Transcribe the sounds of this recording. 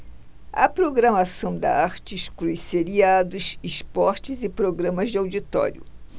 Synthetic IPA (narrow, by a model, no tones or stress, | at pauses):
ɐ̰pɾoɡɾɐmasɐ̃w̃d̪ɐ̰aɾt͡ʃɪʃkliseɾiad̪ʊsispɔɾt͡ʃɪzɪpɾoɡɾɐ̃mɐzd͡ʒɪawd͡ʒit̪ɔ̰ɾjʊ̰